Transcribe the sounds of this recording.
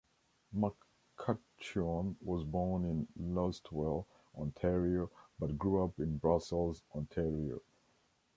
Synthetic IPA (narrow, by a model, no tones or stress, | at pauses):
mak | kʰat͡ʃɔnwɔzbɔɹnɪ̃nlɔstʰwɛlˠ | ʔɔ̃ntʰɛɹiobʌt̚ɡɹuʌpɪ̃nbɹʌsl̩ˠzɔ̃ntʰɛɹio̰